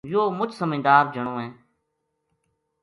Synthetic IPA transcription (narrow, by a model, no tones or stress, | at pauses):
joːmʊt͡ʃʰsəmẽːd̪aːɾd͡ʒʱəɳ̃õːɦẽː